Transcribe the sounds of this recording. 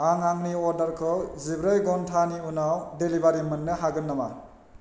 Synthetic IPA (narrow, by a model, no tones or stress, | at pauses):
aŋaŋniɔɾdɐɾkʰɯwzibɾajɡɔntʰaniunawdelibaɾimɯnːɯɦaɡɯnːama̰